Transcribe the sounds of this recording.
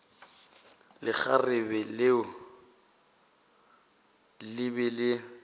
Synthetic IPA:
lɪk͡xarɪbɛlɪʊ | lɪbɛlɪ

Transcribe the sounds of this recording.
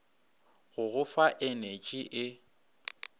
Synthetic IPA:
ɣʊɣʊfaʔenet͡ʃʼiʔɪ

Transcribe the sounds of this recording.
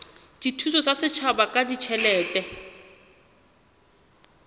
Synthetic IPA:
d̥itʰusɔsasɪt͡ʃʰabakʼadit͡ʃʰɛlɛːtɛ

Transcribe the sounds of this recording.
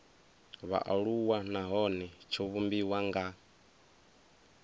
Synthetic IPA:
βa̰ʔaɺuwanaɦɔnɛt͡ʃʰoβumbiwaŋɡa

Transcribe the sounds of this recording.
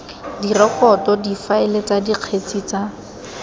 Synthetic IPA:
dirɔkɔtɔdifaɪlet͡sʼadiq͡χʰet͡sʼit͡sa

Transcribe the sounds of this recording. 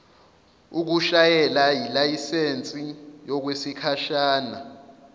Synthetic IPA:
uk̬uʃajɛlajilajisent͡sʼijɔk̬wesikʰaʃaːna

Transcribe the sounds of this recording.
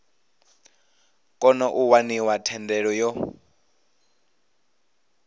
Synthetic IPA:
kʼɔnɔʔuwaniwatʰɛndɛɺɔjɔ

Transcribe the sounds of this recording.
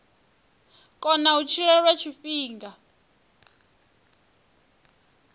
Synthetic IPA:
kʼɔnaut͡ʃʰiɺɛɺwet͡ʃʰifiːŋɡa

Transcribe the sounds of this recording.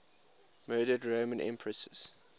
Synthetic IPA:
mɜːɾədɹoʊmə̃nʔɛ̰̃mpʰɹəsəz̥

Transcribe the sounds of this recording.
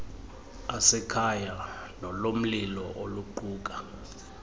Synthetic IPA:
asɛkʰajanɔlom̩lilɔʔoluǃuːk̬ʼa

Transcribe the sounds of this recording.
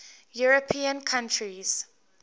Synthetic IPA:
juɹopʰĩə̃nkʰãntʰɹiz̥

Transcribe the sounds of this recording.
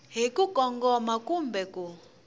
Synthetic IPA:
ɦekukɔŋɡɔmakumbɛku

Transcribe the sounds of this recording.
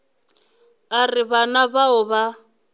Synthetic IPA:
arɪβanaβaʊβa

